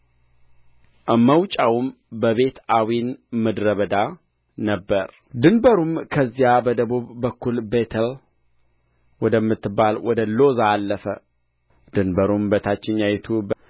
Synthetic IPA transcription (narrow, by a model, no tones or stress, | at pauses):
məwt͡ʃʼawum | bəβe̞t̪awinməd̪ɾəβəd̪a | nəbːəɾ | d̪ɨnbəɾumkʰəzːijabəd̪əβuβːəkʰːulbet̪ʰəl | wɔd̪əmːɨt̪ːɨbːalwɔd̪əlo̞zaːlːəfə | d̪ɨnbəɾumbət̪ʰat͡ʃːɪɲːajɛt̪ʰu